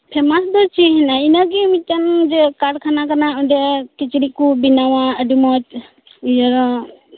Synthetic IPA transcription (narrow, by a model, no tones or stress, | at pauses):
pʰɛmasd̪ɔt͡ʃʰiɦɛnainaɡɛmit͡ʃand͡ʒɛkaɽkʰanakanaɔɖɛkit͡ʃɾikubinawaəɖimɔt͡ʃ | ijɔɾɔ